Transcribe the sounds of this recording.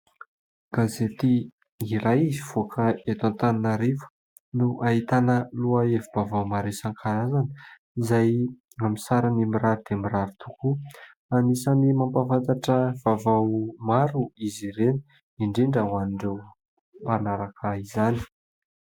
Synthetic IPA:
ɡ̥azet̪i | iɾajiziv̥okʰəet̪ãnt̪aninaɾefə̥ | nuʔait̪anəluaevivavawmaɾesaŋkʰaɾazani̥ | izaj | amisaɾanimiɾaɾid̪̥eamiɾaɾit̪ʰuku | anisanimampavant̪aʈ͡ʂəv̥avawmaɾuiziɾeni | iɳɖ͡ʐiɳɖ͡ʐawaniɳɖ͡ʐew | panaɾakəizani̥

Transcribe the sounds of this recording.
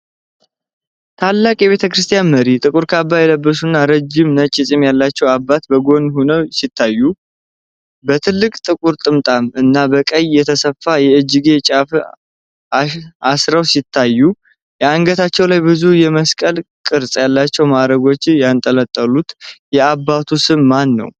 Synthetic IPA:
t̪ʰalːakʼjɛβe̞t̪ʰəkɾɨst̪ʰijanməɾit̪ʼɨkʼuɾkʰabːajɛləbːəsunːaɾəd͡ʒɪmnət͡ʃʼːɪsʼimjalːat͡ʃːɛwabːat̪bəɡo̞nhunəwsit̪ʰːajːu | bət̪ʰɨlːɨkʼt̪ʼɨkʼuɾt̪ʼɨmt̪ʼamɨnːabəkʼəjjɛt̪ʰəsəfːajɛɨd͡ʒːɨɡe̞t͡ʃʼaf | aasɾəwsit̪ʰːajːu | jɛaŋɡət̪ʰat͡ʃːɛwlajbɨzujɛməskʼəlkʼɨɾsʼjalːat͡ʃːɛwmaɾəɡo̞t͡ʃːjant̪ʼələt̪ʼːəlut̪jɛabːat̪ʰusɨmmanːə̰w

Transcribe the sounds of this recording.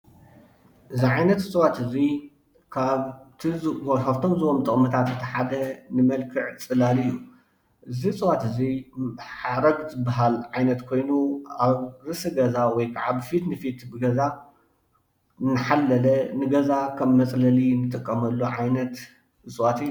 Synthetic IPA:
ʔɨziʕajnɐt̪ɨt͡sʼɨwat̪ɨzi | kʰaβt̪ʰkʰaβt̪ʰo̞mzɨwomt̪ʼɨχʼmɐt̪ʰat̪zɨt̪ʰɐħad̪ɐnɨmɐlkʰɨʕt͡sʼɨlalɨjːu | ʔɨzit͡sʼɨwat̪ɨziħaɾɐɡzɨbːaɦalʕajnɐt̪kʰo̞jnuaβzɨsɨɡɐzawɔjkʰaʕaβfit̪nɨfit̪bɨɡɐza | nɨħalːɐlɐnɨɡɐzakʰɐmːɐt͡sʼlɐlinɨt̪ʼɨkʼːɐmɐlːoʕajnɐt̪ | ɨt͡sʼwat̪ɨjː

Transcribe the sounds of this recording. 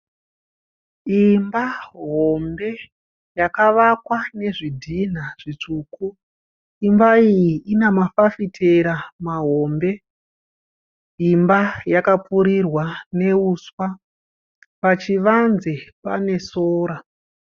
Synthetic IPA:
imbaɦo̞mbe̞ | jakaʋakwane̞ʐidʱin̤aʐ̥it͡ʂuːku | imbaijiʔinamafafitʰeɾamaɦo̞mbe̞ | imbajakapuɾirwane̞uːswa | pat͡ʃiʋanzepane̞soːɾa

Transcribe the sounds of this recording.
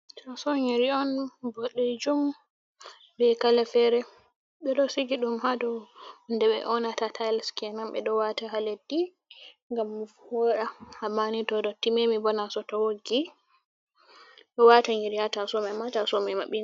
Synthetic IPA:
tʰasɔɲiɾiɔnbɔɗːɛd͡ʒum | bɛkalɛfɛɾɛ | ɓɛɗɔsiɡiɗumhadɔndɛɓɛ̰ʔɔnatatʰalskɛnamɓɛ̰ɗɔwataɦaledːi | ŋɡamːufhɔɾahamanitɔdɔtimemibɔnasɔtɔwoɡi | ɗɔwataɲiɾihatasɔmɛmatasɔmɛma̰ɓːina

